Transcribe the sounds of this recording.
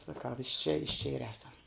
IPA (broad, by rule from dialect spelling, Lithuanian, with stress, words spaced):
sɐˈkɐʊ ɪʃ t͡ʃʲɛ ɪʃ t͡ʃʲɛ ɪr ˈæːsɐm